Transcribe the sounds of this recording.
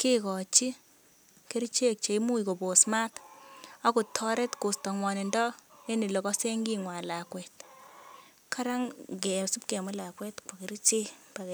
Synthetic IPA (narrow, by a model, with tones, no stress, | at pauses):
kɪ˦kɔ˨t͡ʃi˦ | ke˦ɾi˦t͡ʃe˦k̚t͡ʃe˨i˦mu˦iko˨bo˨sma˦ta˦ku˨tʰːɔ˦ɾɛ˦tko˨stɔ˨ŋwa˨ne˨ndɔ˦e˦ni˨lɔ˨kɔ˦se˦ŋɡi˦ŋwa˨la˨kwɛ˨t | kʰa˦ɾa˦ŋkɛ˨su˦p̚ke˨mʊ˦la˨kwɛ˦tka˨ke˦ɾt͡ʃe˦pa˨ke